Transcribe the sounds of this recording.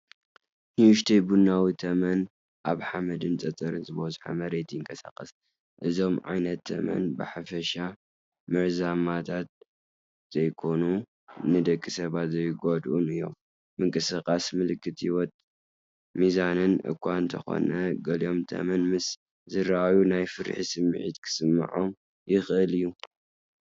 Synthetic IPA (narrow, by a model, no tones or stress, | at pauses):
hiuʃt̪ʰejbunːawit̪ʰɐmɐn | ʔaβħamɐd̪ɨnt͡sʼɐt̪ʼɐɾɨnzɨbozħa̰mɐɾe̞t̪ʰjɪŋkʼɐsa̰kʼɐs | ʔɨzo̞mʕa̰jnɐt̪ʰːɐ̰mɐ̰nbɨħafɐʃa | mɨʕzamat̪ʰat̪̚ | z̥ɐjkʰo̞nu | nɨd̪ɐkʼːisɐβat̪zɐjɡod̪ʔunɨjːo̞̰mː | ɨŋkʼɨsɨkʼasmɨlɨkʰːɨt̪ʰiwɔt̪ʼ | mizanɨnʔɨ̰kʰʼːwanɨnt̪ʰɐ̰xo̞̰nɐɡɐlio̞mt̪ʰɐ̰mɐnmɨs | zɨɾaʔawjunajfɨɾ̰ħisɨmːɨʕḭt̪kʰɨ̥sɨmːa̰ʕom | jɪxʔɨlɨjːu